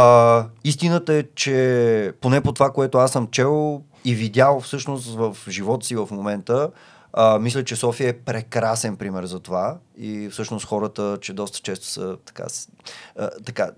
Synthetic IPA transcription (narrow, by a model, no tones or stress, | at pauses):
əist̪inət̪əɛt͡ʃɛponɛpot̪ovakoɛt̪oasːəmt͡ʃɛlˠ | ivid̪ʲjalˠfsɤʃnost̪vəfʒivɔt̪sivəfmomɛnt̪ə | mislʲət͡ʃɛsɔfiəɛpɾɛkɾasɛnpɾimɛɾzɐt̪ova | ifsɤʃnost̪xɔɾət̪ət͡ʃɛd̪ɔst̪ə̥t͡ʃɛst̪o̥sət̪ɐ̥ka̰s | t̪ɐka̰